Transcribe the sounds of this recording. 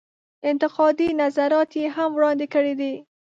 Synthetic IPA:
ɪnt̪ɪqɑd̪inazaɾɑt̪jeɦamwɽɑnd̪ekəɽed̪i

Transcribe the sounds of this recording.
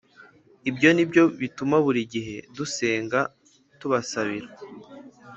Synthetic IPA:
ibjo̞nibjo̞βitumaβuɾiɟiɦe̞duse̞ːŋɡa | tuβasaβiɾa

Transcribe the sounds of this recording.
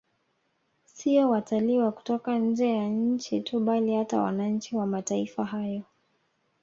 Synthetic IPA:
siɔwataliwaku̥tɔkaɲ̩d͡ʒɛjaɲ̩t͡ʃituɓalihata̰wa̰naɲ̩t͡ʃiwamataifaɦajɔ

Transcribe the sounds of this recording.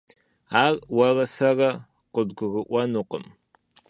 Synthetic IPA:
aːrwɐrɐsɐrɐ | qədɡʷʊɣəʔʷɐnuːqə̰m

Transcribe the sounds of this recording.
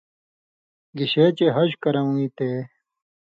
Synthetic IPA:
ɡiɕet͡ɕeɦɐɕkɐɾɐũit̪eː

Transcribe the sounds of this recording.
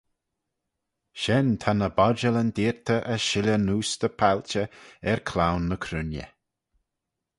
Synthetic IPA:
ʃɛnt̪ʰanəbɔd͡ʒələnd̪iːɹt̪ʰəʔəʃɪlʲənuːsd̪əpʰalʲt͡ʃəɛɹkʰlawnːəkʰɾʉnjə̰

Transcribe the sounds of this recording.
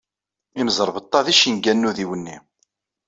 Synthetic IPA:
iməzəɾˤvət̪ˤːɑðiʃinɡænːuðiwənːi

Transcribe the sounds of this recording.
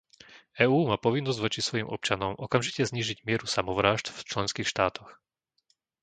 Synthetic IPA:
ɛːuːmaːpɔʋinːɔzɟʋɔt͡ʃisʋɔjimʔɔ̰p̚t͡ʃanɔmʔɔkamʒicɛzɲiːʒiɟmɪɛɾusamɔʋɾaːʒd̪ft͡ʃlɛnskiːxʃt̪aːt̪ʰɔx

